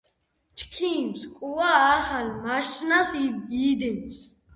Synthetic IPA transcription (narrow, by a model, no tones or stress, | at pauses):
t͡ʃʰkʰiːmskʼuaːχalmaʃt͡ʃʼnasid̪ins